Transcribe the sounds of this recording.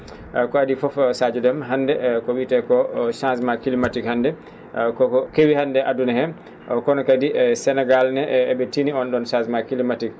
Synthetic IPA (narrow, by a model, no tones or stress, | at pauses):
kɔadifɔfsad͡ʒɔdɛmɦandɛkɔwitɛkɔʃãnsmakilimatikhandɛ | kɔɔkewihandɛʔadunahɛ | ʔɔkɔnɔkadisɛnɛɡalnɛɛbɛtiniɔnɗɔnʃãsmakilimatik̚